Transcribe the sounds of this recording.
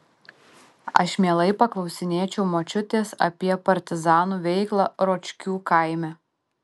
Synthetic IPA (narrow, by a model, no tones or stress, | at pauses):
ɐ̰ʃmʲeːlˠɐɪpɐklˠɒʊsʲɪnʲeːt͡ʃʲɛʊmoːt͡ʃʲʊt̪ʲeːsɐ̰pʲiɛpɐɾʲt̪ʲɪzɑːnuːʋʲɛɪklˠɑɾoːt͡ʃʲkʲuːkɐˑɪmʲɛ